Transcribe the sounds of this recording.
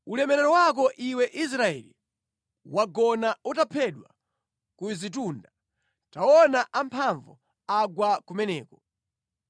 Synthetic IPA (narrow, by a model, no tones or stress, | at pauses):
ulɛmɛɾɛɾɔwakɔʔiwɛʔis̬ɾaɛ̰li | waɡɔnautapʰɛɗwa̰ | kuzit̬unda | taɔnaʔampʰaɱvɔ | aɡwakumɛnɛːkɔ